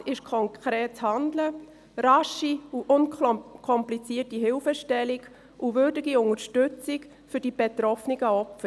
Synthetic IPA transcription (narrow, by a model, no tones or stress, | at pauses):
ɪʃkʰɔŋkʰɾeːtt͡shɑnd̪lə | ɾɑʃiuʔʊnkkʰɔmplit͡siːətiɦɪlfəʃtɛliɡ | ʔuʋʏɾdɪɡiʊŋəɾʃtʏt͡sɪk | fʏɾd̥ib̥et̪ɾɔfniɡəɔpfə